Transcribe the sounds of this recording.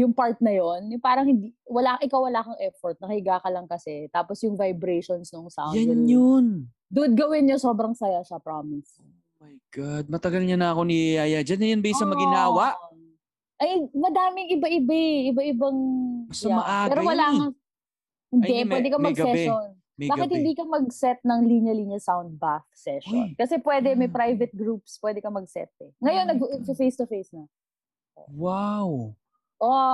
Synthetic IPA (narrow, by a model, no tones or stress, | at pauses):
jʊŋpaɹt̪̚nɐjonjʊŋpaːɾɐŋhɪnd̪iwɐlaːʔɪkawːɐlaːkɐŋʔɛfoɾt̪̚nɐkɐhɪɡaːkɐlɐŋkɐsɛt̪aːposjʊŋvɐjbɾɛjʃonsnoŋsa̰ːjɐnjon | d̪ʊd̪̚ɡɐwɪnjosoːbɾɐŋsɐjaʃɐpɾaːmɪso | mɐjɡ̥ad̪̚mɐt̪ɐɡɐlɲanɐɐkoniaːjɐd͡ʒɐnːɐjʊnbisɐmɐɡɪnaːwɐ | ʔɐjmɐd̪aːmɪŋɪbɐʔɪbaʔɪbɐʔɪbaŋɐsɐamɐʔaːɛːɾowɐlaːŋɐ | hɪnd̪ɛpwɛd̪ɛkɐmɐɡɛʃon | baːkɪt̪̚hɪnd̪iːkɐmɐɡsɛt̪̚nɐŋliɲɐliɲjɐsawnd̪̚bafsɛʃo̰nkɐsɛpwɛːd̪ɛmɐjpɾajvɛt̪̚ɡɾup̚spwɛːd̪ɛkɐmɐɡ̚sɛ̰t̪̚ɛŋɐjo̞nːɐɡsɐfejst̪ʊfejsnɐ | ʔo̰waw | ʔo